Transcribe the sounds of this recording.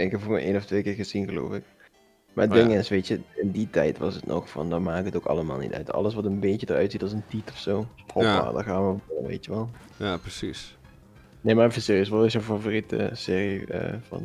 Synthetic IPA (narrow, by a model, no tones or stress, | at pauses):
ɛŋkəvuːmɛ̰ʔeːnɔftʋeːkɪːɹɣəzinɣəlo̰ːfɪk | maːbɪŋɪnsʋeːtjəɪnditɛ̰jtʋɑ̰sətnʔɔ̰xfɑ̰ndɔmaːkɪkətoːkɑ̰ləma̰ːlˠnḭtœ̰ɥtɑ̰ləsʋɑtənbeːtjədərœ̰ɥtsitɑlˠsəntitɔfsoːprɔpa̰ːda̰xaːnʋəoənʋḛːtjəʋɛlˠ | japrəsis | neːmafɪsɪiɪsʋɛlˠʋɪsofavoːritə̰sɪːriə̰vɑ̰n